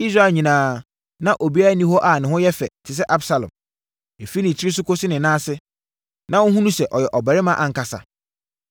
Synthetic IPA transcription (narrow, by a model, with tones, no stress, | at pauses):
i˦s̬ɾa˦˨ɲĩ˨nãː˨ | nã˦˨ʔo˨bi˦a˦a˦nĩ˦ho˦ʔa˦˨nɪ̃˨hʊ̃˦jɛ˦fɛ̰˨tʰɪ˨s̬ɛ˦ʔa˦bsa˨lɔ̰̃˨m | e˨fi˦nɪ̃˨t͡ɕʰɪ˦ɾɪ˦s̬ʊ˦ko˦sɪ˦nɪ̃˨nãː˦sɪ˦ | nã˦wʊ̃˦ɦũ˦nũ˦sɛ˨ʔɔ˨jɛ˨ʔɔ˨bɛ˨ɾɪ˦mã˦ʔa˨ŋ̩˨kʰa˨sa̰˨